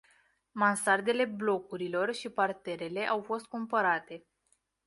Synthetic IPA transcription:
mansard̪e̞le̞blo̞kuɾilo̞rʃipart̪e̞ɾe̞le̞ʔawfo̞st̪̚kumpəɾat̪e̞

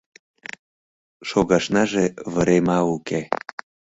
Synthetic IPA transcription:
ʃoɣɑʃnɑʒeβəɾemɑuke

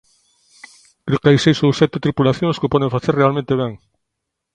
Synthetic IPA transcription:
kɾikajsejsowsɛt̪et̪ɾipulaθjõŋskepɔð̞ẽŋfaθeɾrealmẽnt̪eβɛŋ

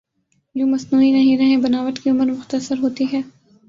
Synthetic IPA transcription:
d͡ʒoːmɐsnuːinɐɦĩɾɐɦẽbɐnaːʋəʈ̪kiʊməɾmʊxt̪əsəɾɦoːt̪iɦɛː

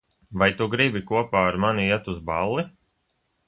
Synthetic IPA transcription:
vajt̪uɡɾibikuɔpaːaɾmaniiɛt̪uzbalːi

